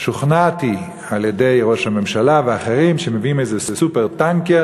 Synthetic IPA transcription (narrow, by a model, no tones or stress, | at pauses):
ʃuχnati | aljedejʁoʃhamemʃalaveaχeʁimʃemeviimejzɛssupeʁtaŋkja